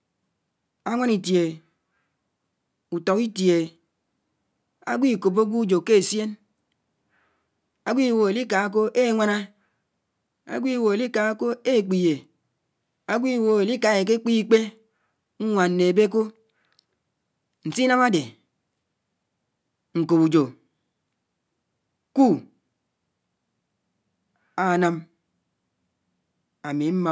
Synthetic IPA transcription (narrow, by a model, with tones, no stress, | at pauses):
a˦ŋʷa˦ni˨tje˨ | u˨tɔ˨ki˦tje˨ | a̰˦ɡʷi˦˨ko˨p̬o˦ɡʷu˦d͡ʒo˨ke˦e˨sje˦n | a˦ɡʷi˦˨wo˨e˨li˦ka˨˦k̬o˦ʔe˦˨ŋʷa˦na˦ | a̰˦ɡʷi˦˨wo˨e˨li˦ka˨˦ko˦e˦˨k͡pi˨je˨ | a˦ɡʷi˦˨wo˨e˨li˦ka˨e˨k̬e˦k͡pi˦k͡pe˦ | ŋ̩˦ŋʷa˨n̩ː˨˦e˨be˦k̬o˦ | n̩˨si˦na˦ma˦de˨ | ŋ̩˨ko˨bu˨d͡ʒo˨ | ku˦ | a˨na˦m | a˨mi˨˦m̩˦ma˦